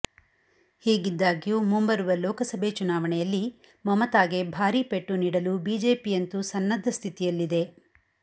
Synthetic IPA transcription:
hiːɡid̪ːaːɡijuːmumbɐɾuʋɐlɔːkɐsɐbʱet͡ʃunaːʋɐɳɛjɐlːi | mɐmɐt̪aːɡe̞bʱaːɾipeʈːuniːɽɐlubiːd͡ʒe̞ːpijɐnt̪usɐnːɐd̪ʱːɐst̪ʰit̪ijɐlːid̪e̞

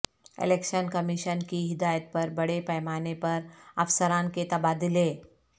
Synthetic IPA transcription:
ɪ̰leːkʃənkəmiʃənkiɦɪd̪aːjət̪̚pɐɾbɐɽepɛjmaːnepɐɾɐfsəɾãːnket̪ɐbaːd̪ɪleː

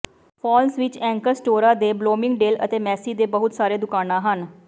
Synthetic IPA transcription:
pʰɔːlsʋɪt͡ʃɛ̃ːŋkəɾsʈoːɾaːd̪eːbloːmɪŋɡɖeːlə̰t̪eːmɛːsiːd̪eːbəɦʊt̪saːɾeːd̪ʊkaːnãːɦən

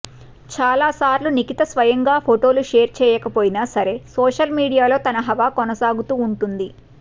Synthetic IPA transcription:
t͡ʃaːlaːsaːɾlunikit̪ɐsʋɐjɐŋɡaːpʰoʈo̞ːluʃeːɾt͡ʃɛːjɐkɐpoːjinaːsɐɾe̞soːʃɐlmiːɽijaːlo̞ːt̪ɐnɐɦɐʋaːkonɐsaːɡut̪uːɳʈund̪i

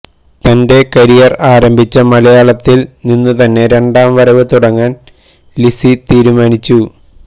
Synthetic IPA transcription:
t̪ɐnde̞kɐɾijɐraːɾɐmbʱit͡ɕːɐmɐlɐjaːɭɐt̪ːilninːut̪ɐnːe̞ɾe̞ɳɖaːmʋɐɾɐʋɨt̪uɽɐŋːaːn | lisit̪iːɾumaːnit͡ɕːu

